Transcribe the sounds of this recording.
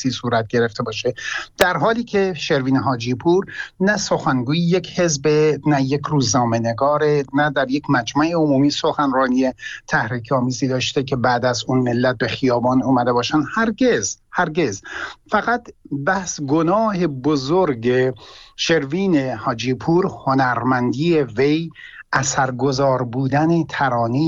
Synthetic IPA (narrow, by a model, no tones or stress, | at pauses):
siːsuːɾæt̪̚ɡ̥e̞ɾe̞ft̪e̞bɒːʃe̞d̪̥æɾɦɒːliːcʰe̞ʃe̞ɾviːneɦɒːd͡ʒiːpʰuːɾnæso̞xænɡuːjeje̞cʰhe̞zbenæjekʰruːznɒːmene̞ɡɒːɾenæd̪æɾje̞cʰmæd͡ʒmæʔeomuːmiːso̞xænrɒːniet̪ʰæhɾiːkʰɒːmiːziːd̪ɒːʃt̪ekʰe̞bæːd̪æzunme̞lːæt̪̚be̞xijɒːbɒːnuːmæd̪e̞bɒːʃænd̪hæɾɡezhæɾɡe̞zfæɣæt̪bæhsɡonɒːhe̞bozoɾɡeʃe̞ɾviːnehɒːd͡ʒiːpʰuːɾho̞næɾmænd̪iːevej | ʔæsæɾɡozɒːɾbuːd̪ænet̪ʰæɾɒːniː